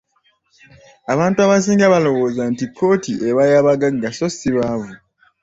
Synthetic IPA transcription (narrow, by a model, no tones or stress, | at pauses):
aβaːntuaβas̬iːŋɡaβalo̞wo̞ːzantikʰːo̞ːtiʔeβajaβaɡaɡːaso̞siβavu